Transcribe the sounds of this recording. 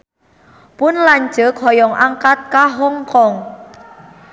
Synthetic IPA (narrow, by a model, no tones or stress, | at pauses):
pʊnlaɲd͡ʒəkʰɔjɔŋʔaŋkat̪̚kaɦɔŋkɔŋ